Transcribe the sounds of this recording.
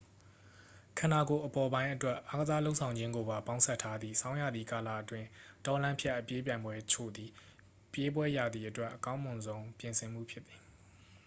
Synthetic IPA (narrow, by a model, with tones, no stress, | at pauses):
kʰã˨na˨ɡo˨ʔəpɔ˨bã˦ɪ̃ʔətwɛ˦ʔa˦ɡəza˦lo˦ʊʔsʰã˨ʊ̃ɲd͡ʑɪ̃˦ŋɡo˨ba˨pã˦ʊ̃sʰɛ˦˨tʰa˦d̪ðḭ˦˨sʰã˦ʊ̃ja˦˨d̪ðḭ˨ka˨lä̰˦˨ʔətwɪ̃˦tɔ˨lã˦mpʰjɛ˦ʔːəpje˦p̬jã˨ɪ̃mbwɛ˦t͡ɕʰo̰˦˨d̪i˨ | pje˦bwɛ˦ja˨d̪ði˨ʔətwɛ˦ʔːəkã˦ʊ̃mʊ̃˨nzõ˦ʊ̃pjɪ̃˨nsʰɪ̃˨m̥ṵ˦˨pʰjɪ˦t̪t̪ːi̥˨